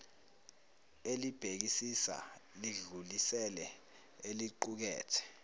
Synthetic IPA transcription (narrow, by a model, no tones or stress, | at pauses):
elib̥ʱek̬isisa̰liɮulisɛlɛ | eliǃuk̬ɛ̰ːtʰɛ̥